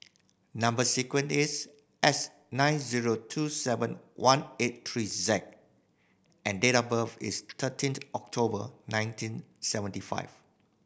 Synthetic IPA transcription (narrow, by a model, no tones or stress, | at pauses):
nãmbəsikwə̃nɪs | ʔɛs | nãɪ̃nziɹotʰusɛvə̃nwʔãnet̚tʰɹizɛk̚ | ʔɛ̃ndeɾabəvɪ̰st̪ʰətʰĩntɔk̚tʰobənãj̃ntʰĩnsɛvə̃ntifa̰ɪv̥